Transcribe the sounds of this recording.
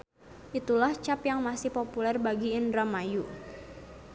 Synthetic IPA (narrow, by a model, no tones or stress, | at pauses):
ʔit̪ulaht͡ʃapjaŋmasihpopulɛrbaɡiindɾamaju